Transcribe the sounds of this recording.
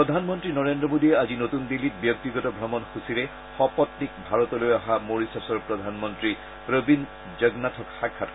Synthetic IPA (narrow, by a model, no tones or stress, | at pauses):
pɔd̪ʱanmɔntɹinɔɹendɹɔmodiɛazinotundilit̚bjɔk̚tiɡɔtɔbʱɹɔmɔnxusiɾɛ | xɔpɔtnikbʱaɹɔtɔlojaɦamoɹisasɔɹpɹɔdʱanmɔntɹi | pɹobin | d͡ʒəɡnatʰɔkxakʰːat